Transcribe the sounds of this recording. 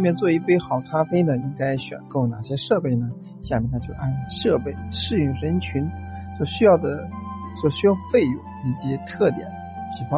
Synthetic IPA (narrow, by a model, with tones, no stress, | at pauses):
mjɛ˥˧nt͡swɔ˥˧i˥˩pe˥ɪxɑ˨˩ʊkʰa˥fe˥ɪnə˨i˥ŋka˥ɪɕɥɛ̰˨˩nko˥˩ʊna̰˨˩ɕjɛ˥ʂɤ˥˧pe˥˩ɪnə˩ | ɕja˥˩mi˨˩na˧˥t͡ɕjo˥˧ʊʔa̰˥˩nʂɤ˥˧pe˥˩ɪʂɻ̩˥˧jy˥˩ŋʂə˧˥nt͡ɕʰy˧˥nswɔ˥˧˩ɕy˥jɑ˥˩ʊd̪ə˩swɔ˥˩ɕy˥jɑ˥˧ʊfe˥˧ɪjʊ˨˧˩ŋi˨˩t͡ɕi˧˥t̪ʰɤ˥˩t̪jɛ̰˨˩˦n | t͡ɕʰi˨˩kxwɑ˥˧